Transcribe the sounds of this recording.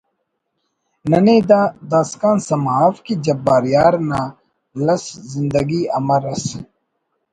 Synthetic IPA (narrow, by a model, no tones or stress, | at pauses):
nɐniːd̪ad̪aːskaːnsɐmɦaːfkid͡ʑɐbaːɾjaːɾna | lɐszind̪ɐɡiɐ̰mɐɾɐs